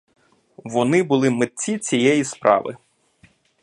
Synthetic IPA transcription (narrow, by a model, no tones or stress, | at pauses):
ʋɔnɪbʊlˠɪmɪt̪̚ʲt͡sʲit͡sʲijɛjispɾʔɑ̰ʋɪ̰